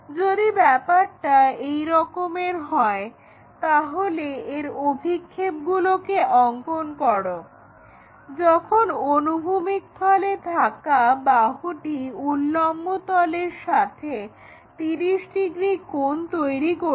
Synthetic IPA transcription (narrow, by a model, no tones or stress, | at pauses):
d͡ʑod̪ibɛpaɾʈaejɾɔkomeɾɦɔe | t̪aɦoleeɾobʱikʰːep̚ɡulokeʔɔŋkonkɔɽo | d͡ʑɔkʰononubʱumik̚t̪ʰalet̪ʰakabaɦuʈiulːɔmːot̪ɔleɾʃat̪ʰe | t̪iɾiʃɖiɡɾikont̪ojɾiko